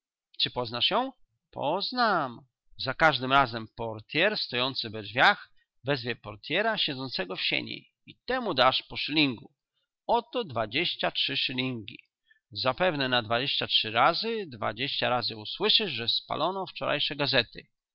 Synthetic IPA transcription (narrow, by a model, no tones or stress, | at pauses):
t͡ʂɘpɔznaʂjɔ̃w̃ | pʰɔznam | zakaʐd̪ɘmɾazɛmpɔɾt̪ʲjɛɾst̪ɔjɔnt̪sɘvɛd͡ʒvʲjax | vɛzvʲjɛpɔɾt̪ʲjɛɾaɕɛd̪zɔnt̪sɛɡɔfɕḛɲḛj | it̪ɛmud̪aʂpɔʂlʲiŋɡu | ɔt̪ɔd̪vad͡ʑeɕt͡ɕatʂɘʂɘlʲiŋɡʲḭ | zapɛvnɛnad̪vad͡ʑeɕt͡ɕatʂɘɾazɘd̪va̰d͡ʑeɕt͡ɕaɾazɘuswɘʂɘʐʐɛspa̰lʔɔnɔft͡ʂɔɾʔa̰jʂɛɡazɛt̪ɘ̰